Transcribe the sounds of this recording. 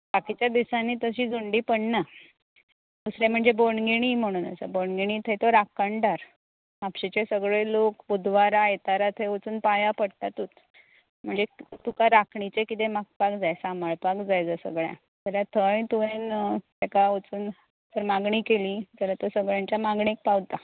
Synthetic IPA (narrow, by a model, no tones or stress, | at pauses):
bakit͡ɕjad̪isanːiːt̪əɕiːd͡zuɳɖiːpəɳna | d̪usɾãm̤əɳd͡zeboɳɡiɽ̃iːm̤əɽ̃uːna̰sa̰boɳɡiɽ̃iːt̪ʰəjt̪oɾakaɳɖaɾ | apɕet͡ɕesəɡɭelokud̪ʋaɾajet̪aɾat̪ʰəjot͡suːnpajapəɽt̪at̪uːt̪ | m̤əɳd͡zet̪ukaɾakʰɳit͡sekit̪emak̚pakd͡zajsaməɭpakd͡zajd͡zəsə̰ɡɭjã̰ | d͡zəlat̪ʰəjt̪uʋent̪ɛkaot͡suːn | t̪əɾmaɡɳiːkeliːd͡zəlat̪əsəɡɭjãɲt͡ɕjamaɡɳik̚pawt̪a